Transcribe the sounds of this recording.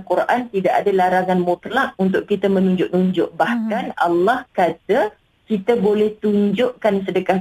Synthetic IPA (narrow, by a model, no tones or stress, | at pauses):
kuɾʔant̪idaʔadalaɾaŋanmot̪lak̚unt̪ʊʔkit̪amənuɲd͡ʒʊʔnuɲd͡ʒʊʔbahkana̰lːahkat̪a | kit̪abolɛht̪uɲd͡ʒʊʔkansədəka